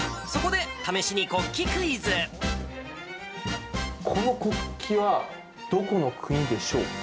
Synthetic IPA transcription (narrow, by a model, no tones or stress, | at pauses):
so̞ko̞d̪e̞t̪ame̞ɕiɲ̟iko̞kʲːikɯ̟izɨ | kʰo̞no̞ko̞kkʲʰːiβa | d̪̥o̞ko̞no̞kʰɯ̟ɲ̟id̪e̞ɕo̞̰ː